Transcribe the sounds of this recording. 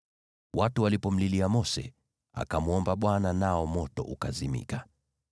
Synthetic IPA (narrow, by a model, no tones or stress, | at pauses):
watuwalipɔm̩liliamɔsɛ̰ | a̰kamuɔmbaɓwananaɔmɔtɔʔukazimḭka